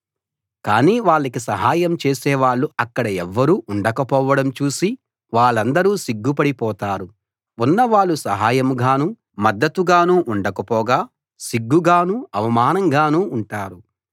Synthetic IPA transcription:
ka̰ːniːʋaːɭːɐkisɐɦaːjɐmt͡ʃeːsɛːʋaːɭːuɐkːɐɽɐɛʋːɐɾuːʔuɳɖɐkɐpɔːʋɐɽɐmt͡ʃuːsi | ʋaːɭːɐnd̪ɐɾuːsiɡːupɐɽipɔːt̪aːɾu | unːɐʋaːɭːusɐɦaːjɐmɡaːnuː | mɐd̪ːɐt̪uɡaːnuːʔuɳɖɐkɐpɔːɡaː | siɡːuɡaːnuːɐʋɐmaːnɐŋɡaːnuːɳʈaːɾu

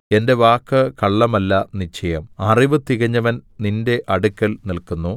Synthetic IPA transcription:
e̞nde̞ʋaːkːɨkɐɭːɐmɐlːɐnit͡ɕːɐjɐmɐriʋɨt̪iɣɐɲːɐʋɐnninde̞ʔɐɽukːɐlnilkunːu

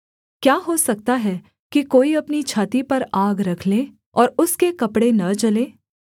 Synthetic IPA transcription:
kjaːɦosɐk̚t̪aɦɛ | kikoːiɐpnit͡ʃʰaːt̪ipɐɾaːɡɾɐkʰle | ɔːɾʊskekɐpɽenɐt͡ʃɐleː

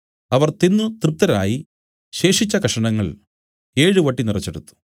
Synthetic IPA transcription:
ɐʋɐrt̪inːut̪rɨp̚t̪ːɐɾaːji | ɕe̞ːʂit͡ɕːɐkɐʂɐɳɐŋːɐɭ | e̞ːɻɨʋɐʈːinirɐt͡ɕːeɽut̪ːu̥

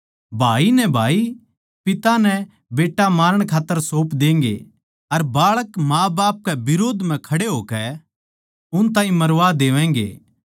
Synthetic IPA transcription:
bʱaːinɛbʱaːi | pɪt̪anɛ | beːʈːamaːɾəɽ̃kʰaːt̪ːəɾsoːpd̪ẽːŋ̆ɡḛ | ɐɾbaːɭəkmaːbaːp̚kɛbɪɾoːd̪ʱm̤ɛ̃kʰɐɽeɦoːkɛ | ʊnt̪̬ãːɦĩmɐɾʋad̪eːʋɛ̃ːŋ̆ɡḛː

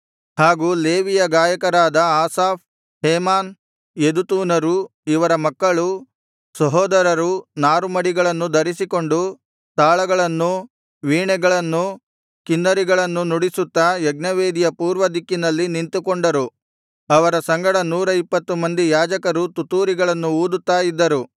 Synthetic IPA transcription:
haːɡuːleːʋijɐɡaːjɐkɐɾaːd̪ɐaːsaːp̚ | ɦeːmaːn | jed̪ut̪uːnɐɾuiʋɐɾɐmɐkːɐɭu | sɐɦɔːd̪ɐɾɐɾunaːɾumɐɽiɡɐɭɐnːud̪ɐɾisiko̞ɳɖu | t̪aːɭɐɡɐɭɐnːu | ʋiːɳɛɡɐɭɐnːu | kinːɐɾiɡɐɭɐnːunuɽisut̪ːɐjɛɡ̚nɐʋeːd̪ijɐpuːɾʋɐd̪ikːinɐlːinint̪ukoɳɖɐɾu | ɐʋɐɾɐsɐŋɡɐɽɐnuːɾɐipːɐt̪ːumɐnd̪ijaːd͡ʒɐkɐɾut̪ut̪uːɾiɡɐɭɐnːuuːd̪ut̪ːaːjid̪ːɐɾu

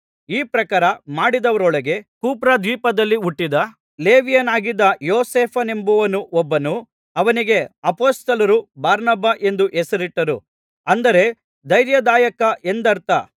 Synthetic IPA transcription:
iːpɾɐkaːɾɐmaːɽid̪ɐʋɐɾɔɭɐɡe̞kuːpɾaːd̪ʋiːpɐd̪ɐlːiuʈːid̪ɐ | le̞ːʋijɐnaːɡid̪ːɐjoːseːpʰɐnembuʋɐnuʔɔbːɐnu | ɐʋɐniɡe̞ɐpoːst̪ɐlɐɾubaːɾnɐbʱaʔe̞nd̪uʔɛsɐɾiʈːɐɾu | ɐnd̪ɐɾe̞ | d̪ɐjɾjɐd̪aːjɐkɐʔe̞nd̪ɐɾt̪a

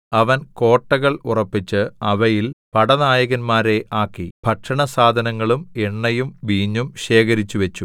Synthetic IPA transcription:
ɐʋɐnko̞ːʈːɐɣɐɭurɐpːit͡ɕːɨɐʋɐjilpɐɽɐnaːjɐɣɐnmaːɾe̞ʔaːkːib̥ʱɐkʂɐɳɐsaːd̪ʱɐnɐŋːɐɭumeɳːɐjumʋiːɲːumɕe̞ːkɐɾit͡ɕːuʋet͡ɕːu

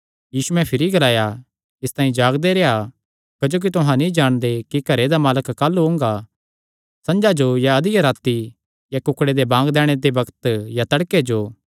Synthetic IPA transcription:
jiːsuɛ̃pʰɪɾiɡɐlaːja | ɪst̪ãːĩd͡ʒaːɡd̪eɾea | kɐd͡ʒoːk̬it̪ʊɦãnĩd͡ʒaːɽ̃d̪ekikɐɾed̪amaːləkːaːlːuɦʊ̃ːŋɡa | sɐ̃nd͡ʒad͡ʒojaɐd̪ɪjaɾaːt̪i | jakʊkɽed̪ebãːɡd̪ɛːɽ̃ed̪ebɐkt̪jat̪ɐɽked͡ʒoː

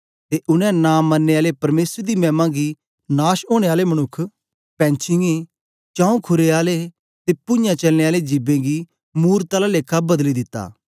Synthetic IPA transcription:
t̪eʔʊnɛ̃naːmːənːeːaːlepɐɾmeːsəɾd̪iːmɛ̃ːmãːɡi | naːʃoːɽ̃eːaːlemɐñʊkʰː | pɛ̃ːnt͡ʃʰɪŋi | t͡ʃãːũkʰʊɾeaːle | t̪eːpʊ̃jãt͡ʃɐlneaːled͡ʒɪbẽːɡi | muːɾt̪aːlaleːkʰːabɐd̪lid̪ɪt̪ːa̰ː

